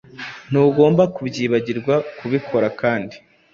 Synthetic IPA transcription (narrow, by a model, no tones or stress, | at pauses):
n̥uːɡo̞ːmbakubɟiːβaɟiɾɡwakuβikʰo̞ɾakaːndi